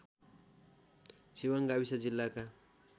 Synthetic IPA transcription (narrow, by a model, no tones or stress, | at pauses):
siwʌŋɡabisad͡zilːaka